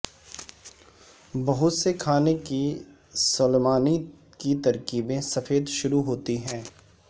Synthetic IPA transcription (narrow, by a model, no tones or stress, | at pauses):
bɐɦʊt̪sekʰaːneki | sʊlemaːni | kit̪ɐɾkiːbẽsɐfeːd̪ʃʊɾuɦoːt̪iɦɛ̃ː